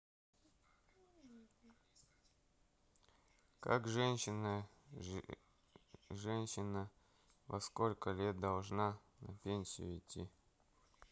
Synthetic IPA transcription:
ka̰kʐɛnʲɕɪnə | ʐɛnʲɕɪnə | vɐskolʲkəlʲe̞t̪̚d̪ɐlˠʐna | nɐpʲenʲsʲɪ̰jʊ̰ɪtʲːi

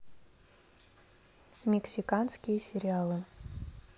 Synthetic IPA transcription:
mʲeksʲikanskʲijəsʲeɾʲialˠɨ

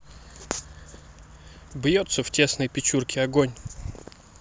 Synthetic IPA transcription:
bjot̪səftʲe̞snəjpʲɪt͡ɕurkʲɪɐɡonʲ

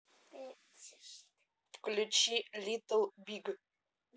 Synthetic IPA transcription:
pklʲut͡ʃʰilit̪əlbiɡ

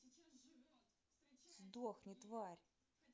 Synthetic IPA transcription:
zd̪oxnʲɪt̪varʲ

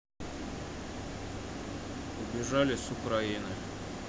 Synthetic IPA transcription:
ʊbʲɪʐalʲɪsʊkɾɐinɨj

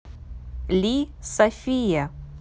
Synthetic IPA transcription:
lʲisɐfʲija

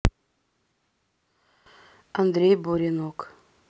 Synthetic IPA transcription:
ɑnd̪ɾʲejbuɾʲenok

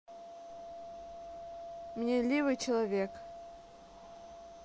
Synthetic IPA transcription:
mʲnʲelʲivɨjt͡ɕɪlˠɐvʲek

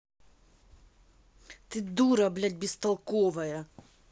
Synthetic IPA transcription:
t̪ɪd̪uɾɐblʲad̪ʲbʲist̪ɐlˠkɔʋɐjɐ

